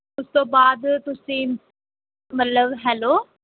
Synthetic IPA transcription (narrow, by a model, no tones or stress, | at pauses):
ʊst̪õːbaːd̪t̪ʊsĩː | mət̪ləbɦɛːloː